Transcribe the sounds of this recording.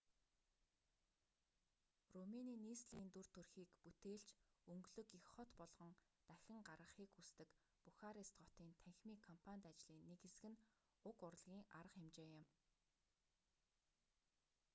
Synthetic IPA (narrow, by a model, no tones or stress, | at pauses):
romeniːniːsɮiːnt̪urt̪ʰɵrxiːkput̪eːɬt͡ɕɵŋɡɮɵ̆kixχɔt̪pɔɮʁ̥ɞ̆ŋ | t̪æxʲɪ̆ŋɢarʁə̆χiːkust̪ɘ̆k | puxaɾist̪ɢɔt̪iːnt̪ʰæŋxʲmiːkʰːɔmpʰanʲt̪at͡ɕɮiːnːekxesɘ̆ɡɘ̆n | ʊkʊrɮɣʲiːŋaɾə̆χemt͡ɕeːjɪ̆m